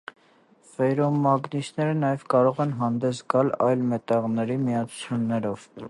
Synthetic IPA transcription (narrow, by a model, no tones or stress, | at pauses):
vɛɾɔmːɑɡnisnɛɾənɑjɛvkɑɾɔʁɛnɦɑnd̪ɛsɡɑlɑjlmɛt̪ɑʁnɛɾimijɑt͡sʰu̥t͡sʰjunːɛɾɔv̥